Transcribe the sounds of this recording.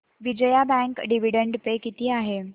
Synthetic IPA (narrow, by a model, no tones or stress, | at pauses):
ʋid͡ʑəjabɛ̃ŋkɖiʋ̤iɽəɳɖpekit̪iːaɦe